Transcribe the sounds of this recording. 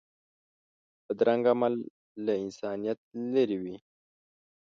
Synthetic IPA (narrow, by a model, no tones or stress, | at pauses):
pəd̪ɾaŋɡamalː | aɪnsɑːnijat̪̚ləɾiwi